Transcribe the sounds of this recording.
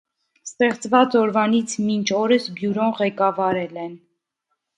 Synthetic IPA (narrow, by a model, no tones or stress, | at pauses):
st̪ɛχt͡svɑt͡sɔɾvɑnit͡sʰmint͡ʃʰɔɾəsbjuɾɔʁɛkɑvɑɾɛlɛn